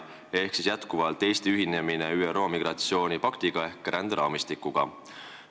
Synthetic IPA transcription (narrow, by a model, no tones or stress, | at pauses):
e̞hksisjæt̪kuvɑlt̪ːˑe̞jst̪iyɦine̞mine̞yːero̞ːmiɡ̥rɑt̪sio̞ːnʲipɑkt̪iɡ̥ɑe̞hkɾʔænd̪̥eɾɑ̰ːmist̪ikːˑuɡ̥ɑ̰